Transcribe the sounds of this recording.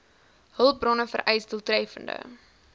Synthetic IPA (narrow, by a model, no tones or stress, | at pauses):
həlˠp̚brɔnəfə̰rʔɛjsdəlˠtrɛfə̰ndə̰